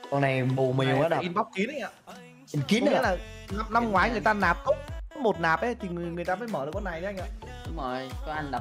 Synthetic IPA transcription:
kɔ˧˩na˨˩jɓu˨˩mi˨˩ə˨wʔaː˨˦naː˨˧nɓa˦˥wk͡p̚ki˨˦nə˨˧˦ŋaː˧˩ | i˨˩nki˨˦nə˨˦laː˨˩na˧mna˧mŋwaː˨˦jŋɨ˨˩əjt̪aː˧naː˨˩p̚t̪o˦˥k͡p̚kɔ˨˦mo˨˩t̚naː˨˩p̚ʔə˨˦t̪ʰi˨˩ŋɨ˨˩ŋɨ˨˩əjt̪aː˧faː˨˦jməː˧˩ɗkɔ˧na˨˩jʔa˧jŋaː˨˩ɗʊ˨˦ŋ͡mo˨˩jt͡ɕɔ˨˦ʔa˧ŋɗa˨˩

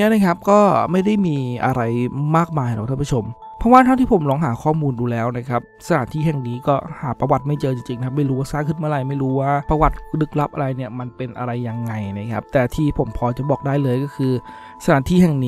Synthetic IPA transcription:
i˦˥na˦˥kʰa˦˥p̚kɔː˥˩ma˥˩jda˥˩jmiː˧ʔa̰˧ɾa˧jmaː˥˩k̚maː˧ja˧˦kt̪ʰa˥˩pʰu˦˥˩o˧m | pʰɔ˦˥waː˥˩t̪ʰa˥ŋt̪ʰiː˥˩pʰo˩˦mlɔː˦˥ŋɦaː˩˦kʰɔː˥˩muː˧nduː˧lɛː˦˥wna˦˥kʰa˦˥p̚sa˧tʰa̰ː˩˦nt̪ʰiː˥˩ɦɛ˨˩ŋniː˦˥kɔː˥˩haː˩˦pɾa˧wa˨˩t̪̚ma˥˩jt͡ɕɤː˧t͡ɕi˧ŋt͡ɕi˧ŋʰa˦˥ma˥˩jɾuː˦˥waː˥˩saː˥˩kʰɯ˥nma˧˥˨ɾa˧˩jma˥˩jɾuː˦˥waː˥˩pɾa˧wa˨˩t̪̚lɯ˦˥k̚la˦˥p̚ʔa˧ɾa˧jni˥˩ɐma˧npe˧nʔa̰˧ɾa˧jːa˧ŋːa˧jna˦˥kʰa˦˥p̚t̪ɛː˨˩t̪ʰiː˥˩pʰo˩˦mpʰɔː˧t͡ɕa˨˩bɔː˨˩k̚daː˥˩jlɤː˧jkɔː˥˩kʰɯː˧ | sa˧tʰaː˨˩˦nt̪ʰiː˥˩hɛ˨˩ŋniː˦˥

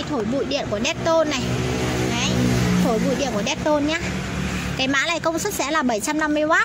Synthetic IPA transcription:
jt̪ʰo˧˩jɓṵ˧˨jɗḭ˧˨ənku˧˩əɗɛ˦˥t̚t̪o˧nːa˨˩ja˨˦jt̪ʰo˧˩jɓṵ˧˨jɗḭ˧ənku˧˩ɗɛ˦˥t̚t̪o˧nɲaː˧˦ | kaː˨˦jma̰ː˧˥laː˨˩jkə˧wŋ͡msə˦˥t̚sɛ̰˧˥laː˨˩ɓə˧˩jt͡ɕa˧mna˧mːɨ˧əjwaː˦˥t̚

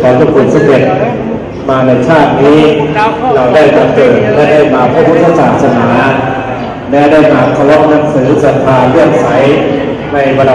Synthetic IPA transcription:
kʰɔː˨˦ŋkɔ˧˩pʰu˨˩n̚sa˧ke˨˩t̪̚ | maː˧na˧jt͡ɕʰaː˥˩t̪̚niː˦˥ɾa˧wdaː˥˩jbɔː˨˧˩nkɤː˨˩nɛː˧˩daː˥˩jmaː˨˩k̚ʰːa˥˩bu˦˥˩t̪ʰːa˧saː˨˩t̪̚sa˧naː˩˦ | lɛ˦˥daː˥˩jmaː˨˩k̚tʰa˧wɔ˦˥ʔ̚na˦˥m̚sɯː˩˦sa˨˧˩t̪ʰaː˧lɯ˥˩əŋ̚sʰa˦˥j | na˧jwa˧l

